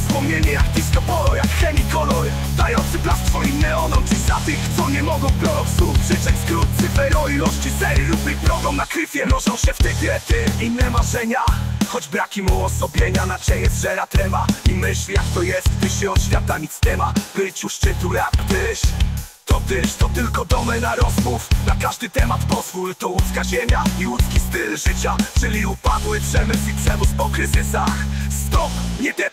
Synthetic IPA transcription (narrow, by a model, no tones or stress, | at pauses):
spɔmɲɛɲɛjakt̪iskɔpɔɾɔjakxɛmʲikɔlɔɾ | d̪ajɔnt̪sɨplast̪fɔinːɛɔd̪ɔmpizat̪ɨxt̪sɔɲɛmɔɡɔ̃w̃ɡɾɔsupʂɛt͡ʂɛt͡ɕʲskɾut̪t̪sɨvɛɾɔilɔʂt͡ɕisɛɾɾubipɾɔblɔmnakɾɘfʲjɛɾɔzɔ̃w̃ɕɛft̪ɛjbʲjɛt̪ɪinːɛmaʐɛɲaxɔd͡ʑbɾakʲimuɔsɔbʲjeɲanat͡ɕɛjɛzʐɛɾat̪ɾɛvaimɘɕlʲjakt̪ɔjɛst̪vɘɕɛɔɕfʲjad̪amʲit̪st̪ɛmabɘt͡ɕuʂt͡ʂɘt̪ujakt̪ɘɕ | t̪ɔt̪ɪʂt̪ɔt̪ɘlkɔd̪ɔmɛnaɾɔzmufnakaʐd̪ɘt̪ɛmat̪pɔzvujt̪ɔwuskaʑeɲaiwut̪skʲist̪ɘlʐɘt͡ɕat͡ʂɘlʲiupad̪wɘpʂɛmɘsipʂɛmuspɔkɾɘzɘsaxst̪ɔpɲɛbʲɛ